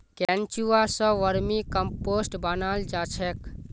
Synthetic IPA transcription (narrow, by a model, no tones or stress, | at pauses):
kɛ̃nt͡ʃuasə̃ʋəɾmĩkəmposʈbənald͡ʒat͡ʃʰɛk